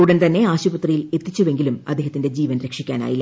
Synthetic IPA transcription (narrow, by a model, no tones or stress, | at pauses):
uːɽɐnt̪ɐnːe̞aːɕubɐt̪rɐjile̞t̪ːit͡ɕːuʋe̞ŋɡilumɐd̪ʱːeɦɐt̪ːinde̞d͡ʑiːʋɐnɾekʂikʲːa̰ːna̰ːjilː